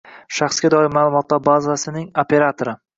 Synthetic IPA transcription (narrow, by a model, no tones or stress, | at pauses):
ʃaχsɡʲad̪ɒɪɾmalˠʊmɒt̪ʰlaɾbazasɪnɪŋopʰe̞ɾat̪ʰoɾɪ